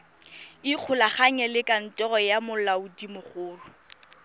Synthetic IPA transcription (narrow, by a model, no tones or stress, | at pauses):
ɪq͡χʰʊlaχaɲɛlɪkʼan̩tʼɔrɔjamʊlaʊdimʊχʊːrʊ